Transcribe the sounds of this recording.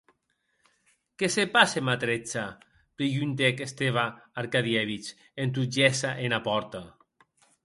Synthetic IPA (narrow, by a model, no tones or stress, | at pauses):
kesepasemat̪ɾet͡sa | pɾiʝunt̪̬ekest̪eβaːɾkaðjɛβit͡ʃ | ent̪̬ud͡ʒɛsaʔenapɔɾt̪a